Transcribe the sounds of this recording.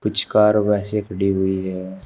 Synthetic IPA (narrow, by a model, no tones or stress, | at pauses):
pʊt͡ʃkaːɾʋɛːsekʰəɽiɦʊiɦɛː